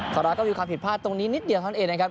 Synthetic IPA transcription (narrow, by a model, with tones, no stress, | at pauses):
kʰa˨˩ɾa˧kɔː˥˩miː˧kwaː˧mpʰi˨˩t̪̚pʰaː˥˩t̪ːo˧ŋniː˦˥ni˦˥t̪̚di˧˨˧ʔeː˧na˦˥kʰa˦˥p̚